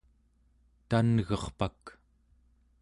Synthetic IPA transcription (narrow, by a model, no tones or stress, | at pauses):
t̪anɣʌχpak